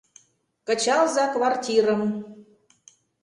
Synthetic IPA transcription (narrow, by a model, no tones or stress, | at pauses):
kə̆t͡ɕɑlzɑkβɑrtʲiɾə̆m